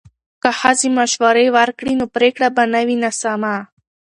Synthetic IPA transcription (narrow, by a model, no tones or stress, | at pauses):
kahazimaʃwaɾewaɾkɽinopɾekɽabanawinasama